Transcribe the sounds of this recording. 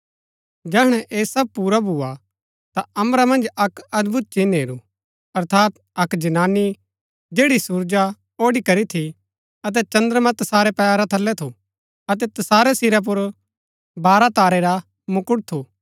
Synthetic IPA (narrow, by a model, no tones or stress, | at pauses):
d͡ʒɛːɦɽ̃ɛʔeːsɐb̚puːɾabʱua | t̪aɐmɾamɐ̃nd͡ʒɐkɐd̪bʱʊt̪̚t͡ʃineːɾu | ɐɾt̪ʰaːt̪̚ | ɐkd͡ʒɐnaːni | d͡ʒeːɽisuːɾd͡ʒa | oːɽikɐɾit̪ʰi | ɐt̪̬ɛt͡ʃɐ̃nd̪əɾmɐ̃t̪ɐsaːɾɛpɛːaɾat̪ʰɐlːɛt̪ʰu | ɐt̪ɛt̪ɐsaːɾesiɾap̬ʊɾ | baːɾat̪aːɾeɾa | mʊkʊɽt̪ʰu